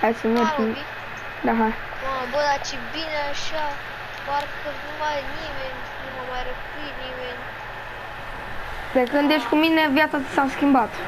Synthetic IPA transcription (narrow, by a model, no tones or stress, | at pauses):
hajsənoi | d̪aɦa | abod̪at͡ʃibineaʃa | parkənumajnimenʲ | numamajɾəpujnimenʲ | d̪ekɨnd̪eʃt̪ʲkuminevjat̪sat̪i̥sawskʲimbat̪